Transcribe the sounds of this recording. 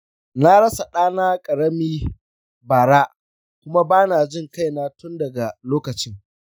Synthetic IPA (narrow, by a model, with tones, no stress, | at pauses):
na˦ɽɐ˦sa˨ɗaː˦naː˦kʼɐ˨ɽɐ˦miː˦ | baː˨ɽa˦ʔ | kʷʊ˦ma˦baː˦na˨d͡ʒɪ˦ŋka˦jnaː˦tʊ˦ndɐ˨ɡa˨loː˦kɐ˨t͡ʃɪ˦ŋ